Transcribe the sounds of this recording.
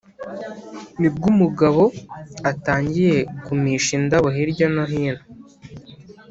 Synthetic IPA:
nib̚ɡumuɡaβo̞ataːɲɟije̞kumiːʃindaβoɦiɾɟonoɦiːnho

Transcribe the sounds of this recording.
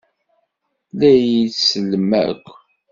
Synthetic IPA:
læjisələmæ̰kʷː

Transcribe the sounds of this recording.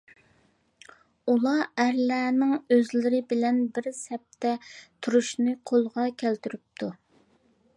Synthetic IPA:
ulˠɑæɾlæːnɪŋøzlɪɾɪbɪlɛnbɪɾsɛp̚t̪ʰɛt̪ʰuɾuʃnɨqʰolˠʁɑkʲʰælt̪yɾyp̚t̪ʰu

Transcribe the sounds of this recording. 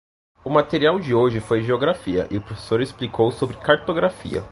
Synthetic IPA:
ʊmat̪eɾiawd͡ʒɪoʒɪfojʒeoɡɾafiɐ̰ʔɪʊpɾofe̥soɾɪsplikʰowsobɾɪkaɾt̪oɡɾafḭɐ̰

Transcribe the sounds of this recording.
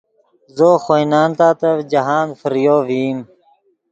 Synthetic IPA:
zoːxojnaːnt̪aːt̪ɐvd͡ʑɐɦaːnfəɾjoːviːm

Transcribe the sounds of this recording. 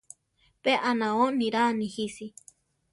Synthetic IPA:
peʔanãonĩɾanĩhisi

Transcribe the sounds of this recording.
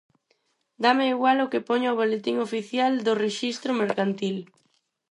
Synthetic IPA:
d̪ameiɣwalʊkepoɲoβolet̪iŋofiθjald̪ʊreʃist̪ɾʊmeɾkant̪il

